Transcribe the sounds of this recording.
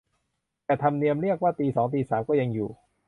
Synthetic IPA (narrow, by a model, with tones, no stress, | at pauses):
t̪ɛː˨˩t̪ʰa˧mni˧əmɾi˥˩ək̚waː˥˩t̪iː˧sɔː˩˦ŋt̪iː˧saː˩˦mkɔː˥˩ja˧ŋjṵː˨˩